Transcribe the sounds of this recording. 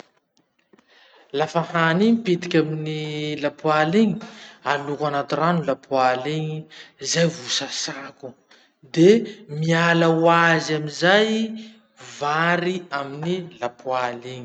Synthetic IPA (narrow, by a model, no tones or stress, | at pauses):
lafahanipet̪i̥kʲaminilapualeŋi̥alukanat̪iranulapualeŋizajvusasaku | d̪emialawazaminzaj | vaɾiaminilapualeɲi